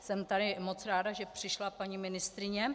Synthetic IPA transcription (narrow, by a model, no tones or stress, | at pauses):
sɛmt̪adɪmo̞t͡sɾaːdaʒɛpr̝̥ɪʃlapaɲimɪnɪst̪ɾɪɲɛ